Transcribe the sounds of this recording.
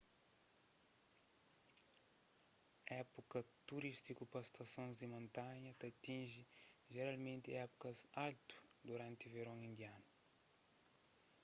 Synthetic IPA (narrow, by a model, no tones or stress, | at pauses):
ɛpukɐt̪uɾist̪ikupɐst̪ɐsõnzd̪imõnt̪aɲɐt̪ɐt̪ĩʒiʒeɾalmẽnt̪iɛpu̥kɐzalt̪u̥d̪uɾãnt̪iveɾõŋĩnd̪ianu